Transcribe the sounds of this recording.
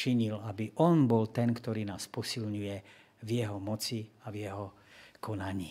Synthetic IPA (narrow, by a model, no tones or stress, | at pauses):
t͡ʃiɲilabiʔɔnbɔlt̪ɛnkt̪ɔɾiːnaːspɔsilɲujɛ | vjɛɦɔmɔt͡siavjɛɦɔ | kʰɔnaɲiː